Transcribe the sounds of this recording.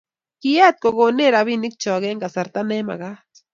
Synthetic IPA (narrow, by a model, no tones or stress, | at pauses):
kijat̪̚koɡoneɾaβinɪk̚t͡ʃawaɣeŋɡasaɾt̪anema̰ɢɑ